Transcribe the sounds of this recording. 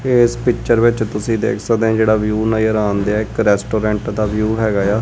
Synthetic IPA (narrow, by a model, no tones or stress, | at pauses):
eːspɪkt͡ʃəɾʋɪt͡ʃt̪ʊsĩːd̪ḛːkʰsək̚d̪eãːd͡ʒeːɽaːʋjuːnaːiəɾaːnd̪eaːɪkɾɛːsʈoːɾɛ̃ːɳʈd̪aːʋjuːɦɛːɡaːjaː